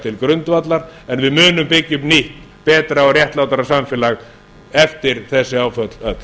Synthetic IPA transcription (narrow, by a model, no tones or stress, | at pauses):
t̪ʰɪlkɾʏnt̪vat̪laɾɛnvɪðmʏːnʏmpɪcːʏpniht̪ | pɛːt̪ɾaɔrjɛht̪laːwt̪aɾasamfɪːlaɣ | ɛft̪ɪɾθɛsːɪaːwfœt̪l̥œt̪